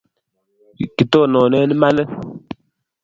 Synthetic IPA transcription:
ki˨tɔ˦˨nɔ˨nɛ˦ni˦ma˦lɛ˦

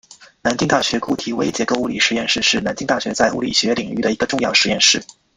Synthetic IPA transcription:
na˧˥nt͡ɕi˥ŋt̪a˥˩ɕɥɛ˧˥ku˥˩t̪ʰi˧˥we˥ɪt͡ɕjɛ˧˥ko˥˧ʊu˥li˨˩ʂɻ̩˧˥jɛ˥˧nʂɻ̩˥˧ʂɻ̩˥˩na˧˥nt͡ɕi˥ŋt̪a˥˩ɕɥɛ˧˥t͡sa˥˩ɪʔṵ˧˥lḭ˨˩ɕɥɛ˧˥li˨˩ŋy˥˩d̪ə˩i˧˥ɡə˧ʈ͡ʂʊ˥˧ŋjɑ˥˩ʊʂɻ̩˧˥jɛ˥˧nʂɻ̩˥˩

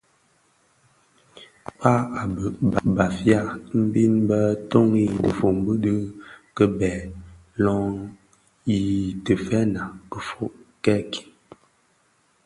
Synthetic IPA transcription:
pa˦a˨bə˨ba˨fja˦m̩˦bi˦nbə˦to˦ŋi˦˨tə˨fo˨m˨bə˦də˦kə˦bɛ˨ | lɔ˦ŋ | i˨tə˨fɛ˦na˨kə˨fo˦˨ʔkɛ˦kʰi̥˨

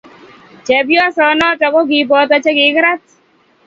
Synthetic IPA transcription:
t͡ʃɛ˨bjɔ˦sɔ˨˦nɔ˦t͡ʃɔ˨kɔ˦ɡɪ˨˦bɔ˨˦t̪ɔ˦t͡ʃɛ˦ɡɪ˨˦ɡɾa˦t

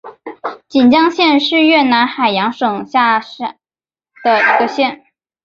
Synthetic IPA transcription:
t͡ɕi˨˩nt͡ɕjɑ˥ŋɕjɛ˥˧nʂɻ̩˥˧ɥɛ˥˩na˧˥nxa˨˩ɪjɑ˧˥ŋʂɤ˨˩ŋɕja˥˩ʂ | d̪̥ə˩i˧˥ɡə˧ɕjɛ˥˩n

